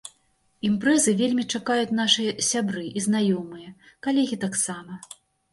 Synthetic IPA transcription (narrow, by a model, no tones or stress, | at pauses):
impɾɛzɨvʲelʲmʲit͡ʂakajut͡sʲn̪aʂɨjɐsʲabɾɨʔiznajɔmɨjɐ | kalʲɛɣʲit̪aksamɐ